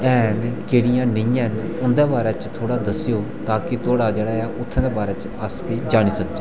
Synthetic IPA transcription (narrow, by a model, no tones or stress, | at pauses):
ɛːnkeːɽɪjãːnɪ̃jɛ̃ːn | ʊnd̪ɛːbaːɾɛːt͡ʃt̪ʰoːɽaːd̪əsɪjoː | t̪aːkɪt̪oːɽaːd͡ʒeːɽaːaːʔʊt̪ʰːɛ̃nd̪eːbaːɾɛːt͡ʃ | əspiːd͡ʒaːɽ̃iːsəkd͡ʒeː